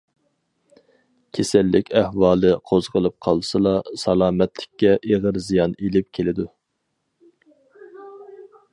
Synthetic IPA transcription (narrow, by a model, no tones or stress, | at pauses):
kʲʰesɛlːɪkʲʰæhwɑːlˠɨqʰozʁəlˠɨp̚qʰɑlˠsɨlˠɑsɑlˠɑːmɛt̪lɪ̥kʲːɛʔeʁəɾzijɑnelɪp̚kʲʰelɪd̪u